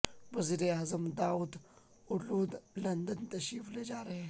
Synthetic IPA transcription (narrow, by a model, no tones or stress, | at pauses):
wɐziɾiaːzɐmd̪aːwud̪ | ʊɾluːd̪lɐnd̪ɐnt̪ɐʃifled͡ʒaːɾe